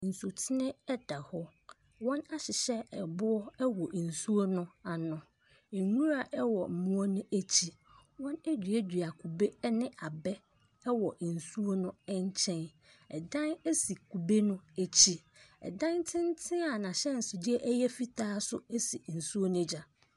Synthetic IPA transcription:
n̩˨su˨tʰɪ˦nɪ̃˦ɛ˦da˨hɔ˦ | wɔ̃˦na˦ɕɪ˨ɕɛ˦ɛ˨bʊ˦ɔ˦ɛ˦wɔ˨n̩˨su˦o˦nʊ̃˦a˨nʊ̃˨ | ɛ˨nũ˦ɾa˨ʔɛ˦wɔ˨m̩˨mũ˦ɔ˦nʊ̃˦ʔæ˦t͡ɕʰi˦ | wɔ̃˦nɛ˦dᶣɥɛ˦dᶣɥa˨kʰu˨be˦nɪ̃˦a˨bɛ˦ | wɔ˨n̩˨su˦o˦nʊ̃˦ɛ˦ɲ˦t͡ɕʰɛ̃˦n | ɛ̰˨dã˦næ˦si˨kʰu˨be˦nʊ̃˦æ˨t͡ɕʰi˦ɛ̰˨dã˦ntʰɪ̃˦n˦tʰɪ̃˦a˨nã˨ɕɛ˦n̩˨sʊ˨dɪ˦ɛ˦ʔɛ˦jɛ˦fi˦tʰaː˦sʊ̰˦ɛ˦si˨n̩˨su˦o˦nʊ̃˦d͡ʑa˨

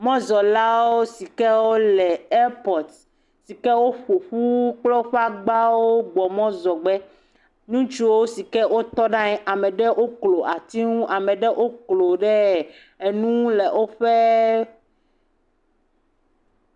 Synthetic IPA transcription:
mɔ̃˦zɔ˨la˦wo˦si˨kɛ˦wo˦lɛ˨e˦pɔ˨t̪ | si˨kɛ˦wo˦ɸo˨ɸu˦k͡plɔ˦ɸa˦ɡ͡ba˦wo˦ɡ͡bɔ˨mɔ̃˦zɔ˨ɡ͡bɛ˦ | ɲũ˦t͡ʃu˨wo˦si˨kɛ˦wʔo˦t̪ɔ˦ɖã˦ɛ˦ʔa˨mɛ̃˨ɖɛ˦ʔo˦klo˨ʔa˨t̪i˦ŋũ˦ʔa˨mɛ̃˨ɖɛ˦ʔo˦klo˨ɖɛ˦˨ | e˨nũ˦le˨ʔo˦ɸe˦

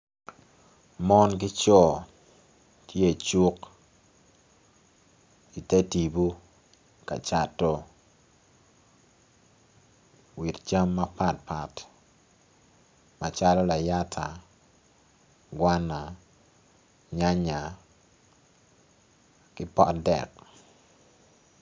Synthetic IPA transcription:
mɔ˦nɡ̬ɪ˦t͡ʃɔ˦ | tʰje˦˨t͡ʃu˦k | i˨te˦ti˨bu˦ | ka̰˨t͡ʃa˨tːɔ˦ | wi˨tt͡ʃa˦mːa˦pa˦t̚pa˨t | ma˨t͡ʃa˦lɔ˦la˨ja˦tʰa˨ | ɡwa˦na˨ | ɲa˦ɲa˨ | kɪ˦pɔ̰˦tdɛ̰˨k̚

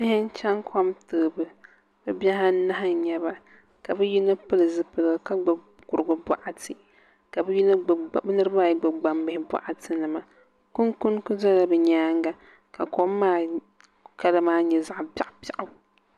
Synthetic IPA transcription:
bɪ˦hɪ˦n˦t͡ʃa˦ŋkʰo˦mtɨː˨bɨ˨ | bɨ˦bɛ˦ɦa˦na˦ɦa˦ɲɛ˦ba˨ | ka˨bɨ˦ji˦nɨ˦pɨ˦lɨ˨zɨ˦pɨ˨lɨ˨ɡɨ˨ka˦ɡ͡ba˨ | kʊ˨ɾɨ˨ɡʊ˦ba̰˨ʔa˦tɨ˨ | ka˨bɨ˦ji˦n˦˨bɛ˦nɨ˦ɾɨ˦baː˦˨jɡ͡ba˨ɡ͡ba˨mbɨ˦hɪ˦ba̰˨ʔa˨tɨ˦nɨ˨ma˨ | ku˦nku˦nku˦za˦la˨bɨ˨ɲaː˦ŋɡa˨ | ka˨ko˦mː˦aː˦ | ka˦la˦maː˦ɲɛ˨za˨ʔbʲa˨ʔpa˨ʔa˦

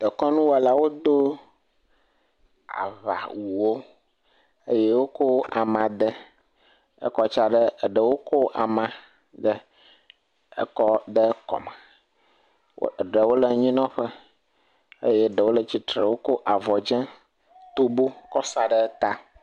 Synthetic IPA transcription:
d̪̥ə˨kɔ˦nũ˦wa˨la˦wo˦d̪o˦ | a̰˨βa̰˨wu˨wo˦ | ə˦jɛ˦wo˦ko˦ʔa̰˨mã˨d̪ə˦ | ə̰˦kɔ˦t͡ʃa˦ɖə˦˨ɖə˨wo˦ko˦ʔa˨mã˨ | d̪ə˦ | ə̰˦kɔ˦d̪ə˦kɔ̰˨mã˨˦˨ | ɖə˨wo˦lə˨ɲĩ˦nɔ̃˦ɸə˦ | ə̰˦jɛ˦ɖə˨wo˦lə˨t͡ɕi˦t̪ɾə̰˨wo˦ko˦ʔa˨vɔ˨d͡ʒɛ̃˦ | t̪o˦bo˦kɔ˦sa˨ɖə˦t̪a˦

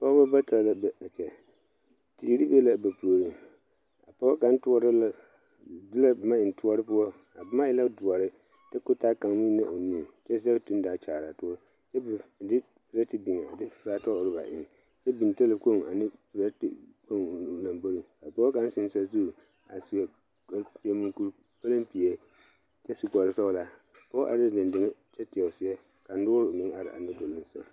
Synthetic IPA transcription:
pɔ˦ba˦ba˦tʰa˨la˦bɛ˨a˨t͡ʃɛ˨ | ti˨ɾi˦be˦la˦ba˨pu˨o˨ɾi˦ | a̰˨pɔ˦ka˨n̩˦tʊ˦ɔ˦ɾl | dɪ˦la˦bma˦ɪ˨n˨tʊ˦ɔ˦ɾɨ˦pʊ˦ɔ˦ | a˨bma˦ɪ˦la˦dʊ˨ɔ˨ɾɪ˦ | ta˦ko˦ta˦ka˨ŋ˦mi˦na̰˦ʔo˨nuː˦˨t͡ʃɛ˦za˦tu˦n˦daː˨˦t͡ʃaː˨ɾa˨tʊ˦ɔ˦ | t͡ʃɛ˦bdɪ˦ | pɪ˨ɾa˦ti˦bi˨ŋa˨a˨dɪ˦˨faː˦tɔ˦ʔʊ˨ɾɨ˦ba̰˨ʔɪ̰˨ | t͡ʃɛ˦bi˨n˨te˦lɨ˨ko˦˨ŋ˨a˨nɪ˦pɾa˦tɪ̰˨ko˦˨ŋ˨nu˨na˨mbo˦ɾi˨ka˨pɔ˦ka˦n˦sɪ˦n˦sa˦zu˦˨ | a˨si˨˦ɛ˨ | ksi˦e˦mɨ˦ku˦ɾ | pa˦lɨ˦mpi˨ɛ˨ | t͡ʃɛ˦su˨kɔ˨ɾɨ˨sɔ˦˨la˨ | pɔ˦ʔa̰˨dɪ˦dɪ˨ndɪ˨ŋɛ˦t͡ʃɛ˦tɪ˨ɛ˨ʊ˨sɪ˦a˦ | ka˨n̩˦dʊː˦ɾo˨mɪ˦a˨ɾɪ̰˨ʔa̰˨nɨ˦do˨lʊ˦n˦sa̰˨

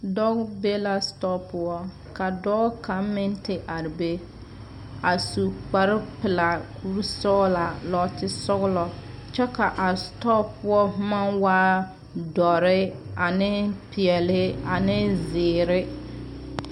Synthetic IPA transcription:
dɔ˦ɡbe˦la˦stɔ˦pʊ˦ɔ˦ | ka˨dɔː˦ka˨˦mɪ˦ntɪ˨ʔa˨ɾɪ˨be˦ | a˨su˨k͡pa˨ɾɪ˦pɪ˨la˨kʰu˦ɾsɔ˦la˨lɔ˦tɪ˦sʊ˦ɣlɔ˨ | t͡ʃɛ˦ka˨ʔa˨stɔ˦pʊ˦ɔ˦ma˦nwaː˦ | dɔ˨ɾɪ˦a˨nɪ˦pʰɪ˨ɛ˨lhɪ˦a˨nɪ˦zɪː˨ɾɪ˦

